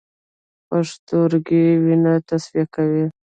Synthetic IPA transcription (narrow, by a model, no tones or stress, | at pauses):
paʂt̪oɾɡiwinat̪asfijakawi